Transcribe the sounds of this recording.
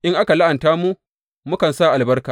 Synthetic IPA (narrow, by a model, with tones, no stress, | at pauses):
ʔɪ˦ŋʔa˦ka˨la˦ʔa˨ntaː˦mu˦ | mʊ˦kɐ˨nsaː˦˨ʔa˨lbɐ˦rkaː˨